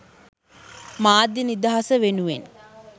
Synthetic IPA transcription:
maːd̪ːinid̪aɦasəʋenuʋen

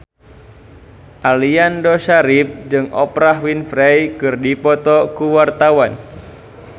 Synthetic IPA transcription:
ʔaliandoʃaɾɪp̚d͡ʒɨŋʔɔ̰pɾaɦwinfɾejkɨrdipɔt̪ɔkuwart̪awan

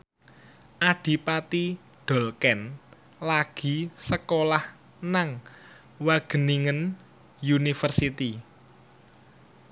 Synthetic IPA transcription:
ʔaɖ̥i̤pat̪i | ɖ̥ɔ̤lkɛn | laɡ̥i̤səkolah | naŋ | waɡ̥ə̤niŋən | junifərsit̪i

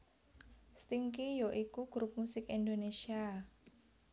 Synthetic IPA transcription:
st̪iŋkijoʔikuɡ̥ɾup̚musɪkind̪onesia

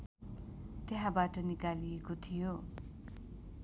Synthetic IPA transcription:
t̪eɦãbaʈʌnikaliekot̪ʰijo

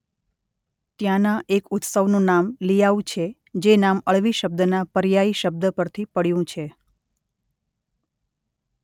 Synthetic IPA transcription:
t̪jãnãʔekʊt̪səʋnũnamlijaũt͡ʃʰe | d͡ʒenaməɭʋiʃəb̚d̪ənapəɾjaiʃəb̚d̪əpəɾt̪ʰipəɽjũt͡ʃʰe

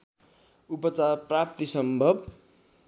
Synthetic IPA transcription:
upʌt͡sarprap̚t̪isʌmbʱʌb

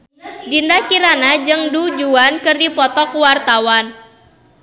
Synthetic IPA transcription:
dindakiɾanad͡ʒɨŋdud͡ʒuankɨrdipɔt̪ɔkuwart̪awan

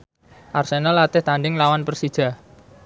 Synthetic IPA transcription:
ʔarsenalːat̪ɪht̪anɖɪŋlawanpərsid̥ʒ̥a̤

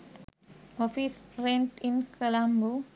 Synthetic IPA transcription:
ɔfisɾẽnʈĩnkʰəlãmbu

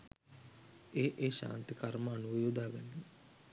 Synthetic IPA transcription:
eːʔeːʃa̰ːnt̪ikaɾmaːnuʋjud̪aːɡanːi

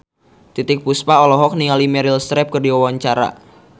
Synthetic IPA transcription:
t̪it̪ɪk̚puspaɔlɔɦɔk̚niŋalimɛɾɪlst̪ɾɛp̚kərdiwawaɲt͡ʃaɾa̰

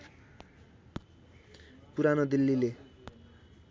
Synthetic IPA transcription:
puɾanod̪ilːile

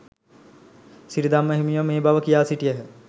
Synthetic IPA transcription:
siɾid̪amːəɦimiʋəmeːbaʋəkijaːsiʈijəɦə

